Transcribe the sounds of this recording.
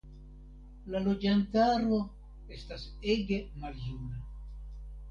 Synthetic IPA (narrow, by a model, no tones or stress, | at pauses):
lalo̞d͡ʒantaɾo̞ | e̞stas | e̞ɡe̞maljuna